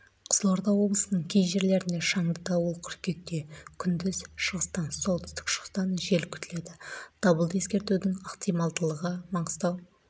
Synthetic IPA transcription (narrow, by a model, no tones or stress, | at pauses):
qʰə̥zəlˠo̞ɾd̪ɑwo̞blˠəsənəɴkʲʰejʒe̞ɾle̞ɾɪnd̪e̞ʃɑɴd̪əd̪ɑwəlˠkʲʰʏɾkʲe̞k̚t̪e̞kʲʰʏnd̪ɪzʃəʁəst̪ɑnsolˠt̪ɪst̪ɪ̥kʃəʁəst̪ɑnʒe̞lkʲʰʏ̥t̪ɪle̞d̪ɪd̪̥ɑbəlˠd̪əe̞skʲe̞ɾt̪ud̪ɪŋɑqt̪ʰijmɑlˠd̪əlˠəʁəmɑɴəzt̪ɑw